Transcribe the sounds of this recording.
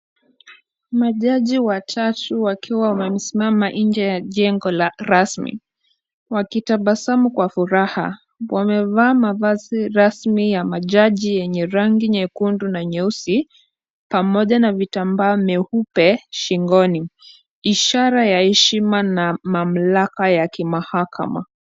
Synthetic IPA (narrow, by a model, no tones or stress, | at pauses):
maʄaʄiwatʰatuwakʰiwawamɛm̩simamaʔind͡ʒɛjaʄɛŋɡɔlaɾasmḭ | wakitaɓasamukwafuɾaha̰ | wamɛvaːmavaziɾasmijamaʄaʄijɛɲɛɾaŋɡiɲɛkundunaɲɛusi | pamɔʄanavitambaɔmɛhupɛʃiŋɡɔni | iʃaɾajahɛʃimanamam̩lakajakimahakʰa̰ma̰